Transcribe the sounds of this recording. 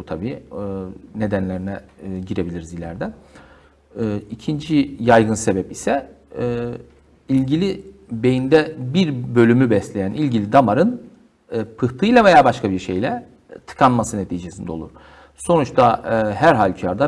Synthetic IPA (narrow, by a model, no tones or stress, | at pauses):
but̪ʰabiː | ne̞d̪ænlʲeɾinɛɟiɾe̞bilʲiɾizilʲæ̰ɾd̪ɛ | icʰind͡ʒijajɡɯnse̞bɛpisɛː | ilʲɟilʲibe̞jind̪ɛbiɾbø̞lʲymybɛslʲejænʔilʲɟilʲid̪amaɾɯnː | pʰɯht̪ʰɯjlˠave̞jaːbaʃkʰabiɾʃe̞jlʲɛ | t̪ʰɯ̥kʰanmasɯne̞t̪ʰiːd͡ʒe̞sind̪ɛo̞lˠṵɾ̥ | so̞nut͡ʃt̪ʰahæɾɦalʲcʰaɾd̪a